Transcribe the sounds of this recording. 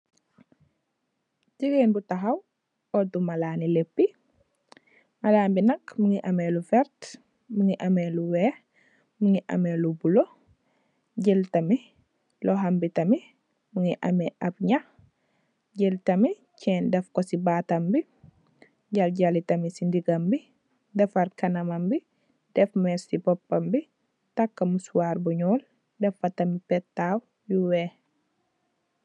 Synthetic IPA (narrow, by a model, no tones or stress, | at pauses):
ɟiɡeːnbutaɦɐw | ɔtumalaːnilepːi | malaːmbinɐkmuŋiʔɐmelufɛɾt | muŋiʔɐmeluwɛː | muŋiʔɐ̰melubulo | ɟeltɐmi | lɔɦambitɐmi | muŋiʔa̰miʔabɲax | ɟɛltɐmi | cʰɛːndɛfkɔsibaːtɐmbi | ɟalɟalitɐmisindiɡambi | dɛfɐrkɐnɐmɐmbi | d̥ɛfmɛsibɔpːɐmbi | takːɐmusuwaːɾbuɲɔːl | dɛfɐtɐmipɛtːaw | juwɛː